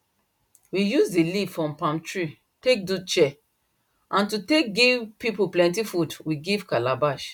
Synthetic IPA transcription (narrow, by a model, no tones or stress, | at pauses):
wijuzdilivfɔ̃mpãmtɹi | tek̚dut͡ʃɛ | ʔãntutek̚ɡivpipuplɛ̃ntifudwiɡivkalabaʃ